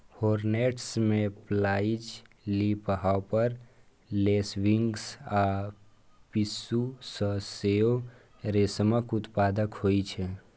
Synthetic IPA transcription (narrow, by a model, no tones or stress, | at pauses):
hoːɾneːʈsmẽplaːɪid͡ʒ | lipəɦawpəɾ | leːsʋɪ̃ŋɡsa | pɪsusəseo | ɾesəməkʊt̪paːd̪əkhoːit͡ʃʰɛ